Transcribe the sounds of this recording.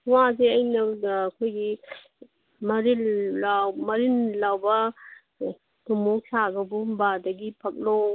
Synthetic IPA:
wazeɐjnɐːkʰojɡi | mɐɾilawmɐɾinlawbɐ | tumok̚sʰaɡɐbubadɐɡipʰɐk̚lo

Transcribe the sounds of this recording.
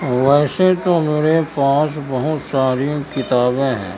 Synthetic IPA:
ʋɛːset̪omeɾepãːt͡ʃbəɦʊt̪saːɾiõkɪt̪aːbẽɦɛ̰̃ː

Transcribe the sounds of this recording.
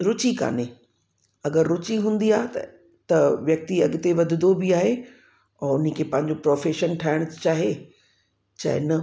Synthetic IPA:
ɾʊt͡ɕika̰ːne | ɐɡəɾːʊt͡ɕiɦũːn̆d̪iaː | t̪ɐʋjɐk̚t̪iɐɠɪt̪eʋɐd̪ʱɪd̪obɪaːɦe | ɔːɾʊnikʰeːpɐ̃ɦɪ̃ɲd͡ʑopɾoːfeːʃənʈʰaːɪɽ̃ʊt͡ɕaːɦe | t͡ɕa̰ːɦḛnɐ

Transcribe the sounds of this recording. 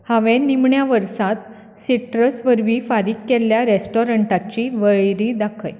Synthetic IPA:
haʋẽnimɳjaʋəɾsat̪̚ | siʈɾəsʋəɾʋifaɾiːkːeljaɾesʈɔɾəɳʈat͡ɕiːʋəɭɾid̪akʰəj

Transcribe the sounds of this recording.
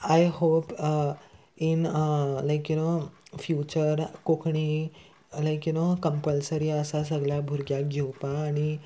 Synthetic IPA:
ajhop | inlajkjunofjut͡ɕəɾkokʰɳi | lajkjunokə̃mpəlsəɾiəsas̬əɡljabʱuɾɡjak̚ɡʱewpãːɽ̃i

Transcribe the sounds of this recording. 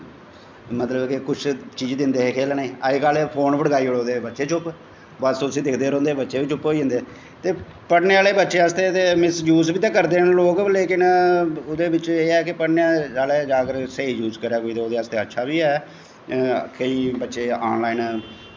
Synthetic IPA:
mət̪ləbkɪkʊt͡ʃʰt͡ʃiːd͡ʒd̪ɪnd̪eːeːkʰeːlneiːaiːkaːlepʰoːnbəɽɡaːiːoɽoːd̪eːbətːʃeːt͡ʃʰʊp | bəsõsĩːd̪ɪkʰd̪eːɾɔ̃ːnd̪eːbətːʃeːʋiːt͡ʃʰʊpɦoːiːd͡ʒ̃nd̪eː | t̪eː | pəɽneːaːleːbətːʃeːaːst̪eːt̪eːmɪsjuːzbiːt̪ãːkəɾd̪eːnloːkleːkɪnʊd̪eːbɪt͡ʃeːɛːkɪpəɽnaːaːleːd͡ʒaːkəɾsəiːd͡ʒuːzkəɾaːkoːiːt̪ːoːd̪eːəst̪eːətːʃʰaːbiːɛ̰ː | kʰəiːbətːʃeːa̰ːnlaːiːn

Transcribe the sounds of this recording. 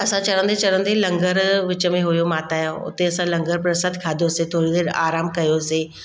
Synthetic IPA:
ɐsãt͡ɕɐɽə̃n̆d̪et͡ɕɐɽə̃n̆d̪ilɐ̃ŋɡəɾʋɪt͡ɕə̆mẽɦʊjomaːt̪aːjõʊ̰t̪eɐsãlɐ̃ŋɡəɾpɾɐsəd̪kʰaːd̪ʱjoset̪ʰoːɽid̪eːɾaːɾaːmkɐjoseː

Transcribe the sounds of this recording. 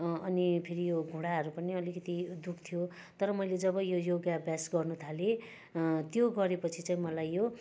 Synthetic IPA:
ʌnipʰiɾijoɡʱũɽaɦʌɾupʌniʌlikʌt̪id̪ukʰt̪ʰijo | t̪ʌɾʌmʌjled͡zʌβʌjojoɡjabjasɡʌrnut̪ʰale | t̪joɡʌɾepʌt͡sʰit͡saĩmʌlajːo

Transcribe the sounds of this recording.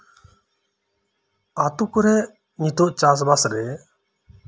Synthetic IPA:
at̪ukɔɾɛ | ɲit̪oʔt͡ʃas̬basɾɛ

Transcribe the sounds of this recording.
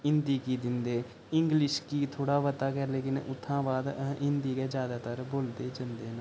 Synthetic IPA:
ɪnd̪iːkiːd̪ɪnd̪eː | ɪŋɡlɪʃkiːt̪ʰoːɽaːʋət̪aːkɛɾleːkɪnʊt̪ʰːãːbaːd̪ɪnd̪iːkeːd͡ʒjaːd̪aːt̪əɾboːld̪eːd͡ʒənd̪eːnãː

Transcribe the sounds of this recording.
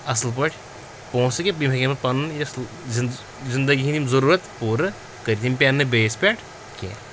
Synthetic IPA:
ɐslp̬ɐʈʰ | põːskebimɐkʲemɐpɐnjɐsl | z | zɪnd̪ɐɡiɦĩt̪imzɐɾuːɾɐt̪puːɾɨ | kɐɾit̪ʰimpʲaːnːɨbeːspʲaːʈʰ | kʲḛː

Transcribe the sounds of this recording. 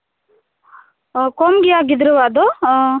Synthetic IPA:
komɡiaːɡid̪ɾuʋad̪o

